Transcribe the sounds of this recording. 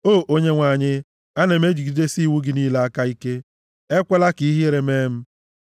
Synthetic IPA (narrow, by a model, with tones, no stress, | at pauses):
oː˦˨ʔo˦ɲe˦ŋʷa˨ɲɪ˦ | a˦ne˨me˦d͡ʒi˨ɡi˨de˦si˦˨wu˦ɡɪ˨˦niː˦la˨a˦ka˦i˦ke˦ | e˦kʷe˦la˦ki˨i˦ɦi˦e˦ɾe˨meː˦m̩˦